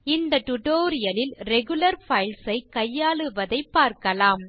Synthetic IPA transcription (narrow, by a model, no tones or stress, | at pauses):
ɪnd̪ɐʈ̪ʊʈoːɾɪjɐlɪlɾɛɣɯlɐɾfɐɪlsɐɪkɐjːaːɭɯʋɐðɐɪpːaːɾkɐlaːm